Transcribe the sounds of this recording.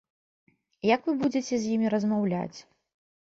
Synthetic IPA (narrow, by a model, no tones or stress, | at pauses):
jɐkvɨbud͡zʲɛt͡sʲɛzʲjimʲiɾɐzmawlʲa̰t͡sʲ